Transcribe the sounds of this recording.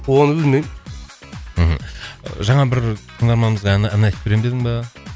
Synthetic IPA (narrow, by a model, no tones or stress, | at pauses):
wonəbɪlmejm | m̩ɦm̩ʒɑɴɑbɪɾt̪ʰəɴŋd̪ɑɾmɑnməzʁɑnːnɑjt̪əpbeɾemd̪eɪŋbɑ